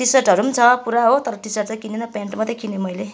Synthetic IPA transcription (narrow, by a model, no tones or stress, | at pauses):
ʈisʌrʈɦʌɾumt͡sʰʌpuɾaɦot̪ʌɾʌʈisʌʈ̚t͡sʌkinenʌpjaɳʈmʌt̪ʰekinemʌjle